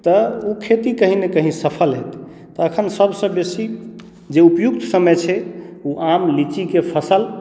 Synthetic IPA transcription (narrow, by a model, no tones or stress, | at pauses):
t̪əukʰet̪ikəɦinekəɦĩsəpʰəlɦet̪ | t̪ːɔəkʰənsəbsə̃besi | d͡ʒeupjuk̚t̪səməjt͡ʃʰɛuʔamlit͡ʃikepʰəsəl